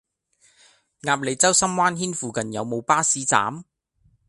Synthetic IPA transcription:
ŋaː˧p̚le˨˧jt͡sɐ˥wsɐ˥mwaː˥nɦiː˥nfuː˨˧kɐ˨njɐ̰˨˧wmo˨˧wpaː˥siː˨˥t͡sa̰ː˨˥m

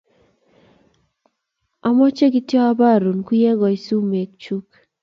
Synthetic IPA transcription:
a˨mɔ˦t͡ʃe˦ki˦tjɔ˦a˦ba˦˨ɾu˨nku˦jɛ˦ɡɔ˨i˨˦su˦me˨k̚t͡ʃu˦k

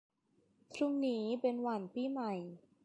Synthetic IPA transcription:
kʰɾu˥˩ŋniː˦˥pe˧nwa˧˩npiː˥˩ma˨˩j

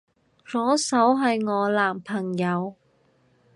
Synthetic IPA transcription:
t͡sɔː˨˥sɐ˨˥wɦɐ˨jŋɔː˨˧laː˨˩mpʰɐ˨˩ŋjɐ˨˧w

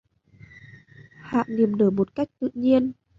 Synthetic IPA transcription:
ha̰ː˧˨ʔni˨˩əmɗəː˧˩mo˨˩t̚ka˦˥jk̟̚t̪ɨ̰˧˨ɲi˧ən

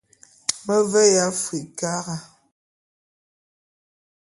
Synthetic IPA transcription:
mə˦vɛ˦ja˦fwi˨ka˦ɣa˨

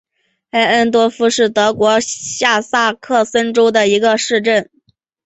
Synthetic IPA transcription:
a˥ə˥nt̪wɔ˥fu˥ʂɻ̩˥˩t̪ɤ˧˥kwɔ˧˥ɕja˥˧sa˥˧kʰɤ˥˩sə˥nʈ͡ʂo˥ʊd̪ə˨i˧˥ɡə˧ʂɻ̩˥˧ʈ͡ʂə˥˩n

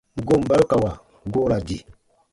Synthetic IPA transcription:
ɡo˦˨m̩˨ba˦lka˨wa˨ | ɡo˦ɾa˨di˨

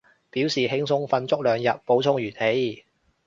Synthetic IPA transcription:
piː˨˥wsiː˨ɦɪ˥ŋsʊ˥ŋfɐ˧nt͡sʊ˥k̚lœː˨˩ŋjɐ˨t̚po˨˥wt͡sʰʊ˥ŋɥyː˨˩nhe˨˥j

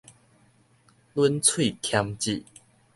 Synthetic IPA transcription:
lwə˦nt͡sʰwi˥˨t̪ʰja˦ŋt͡ɕḭ˥˨

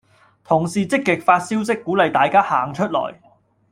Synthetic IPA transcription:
t̪ʰʊ˨˩ŋsiː˨t͡sɪ˥kːɪ˨k̚faː˧t̚siː˥wsɪ˥kːuː˨˥lɐ˨jt̪aː˨jkaː˥haː˨˩ŋt͡ʃʰɵ˥t̚lɔ̰ː˨˩j

